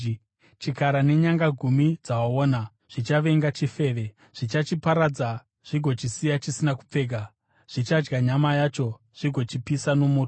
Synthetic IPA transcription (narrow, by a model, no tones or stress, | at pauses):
t͡ʃikaɾane̞ɲaŋɡaɡʱumid͡zawaoːna | ʐ̥it͡ʃaʋe̞ŋɡat͡ʃife̞ːʋe̞ | ʐ̥it͡ʃat͡ʃipaɾad͡za | ʐ̥iɡʱo̞t͡ʃisijat͡ʃisinakup͡fe̞ːɡʱa | ʐ̥it͡ʃad͡ʒɡaɲamajat͡ʃo̞ | ʐ̥iɡʱo̞t͡ʃipisano̞mo̞ːt